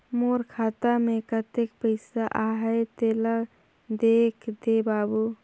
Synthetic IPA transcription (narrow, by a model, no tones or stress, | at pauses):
moɾkʰat̪amekət̪ek̚pəɪsaʔaɦəjt̪elə | d̪ekʰd̪ebabu